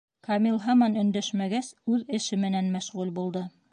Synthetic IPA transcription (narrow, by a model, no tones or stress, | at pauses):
kɑmilˠɦɑmɑnɵ̆nd̪æʃmæɡæsʉðɘ̆ʃɘmɘ̆nænmæʃʁʉlbulˠd̪ɤ